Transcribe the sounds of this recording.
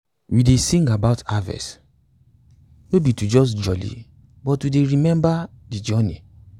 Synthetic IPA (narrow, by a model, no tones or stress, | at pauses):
widesĩŋɡabaʊtavɛ̰s | nobitud͡ʒɔs̬d͡ʒɔlḭ | bɔtwudeɹimɛ̃mba | did͡ʒɔnḭ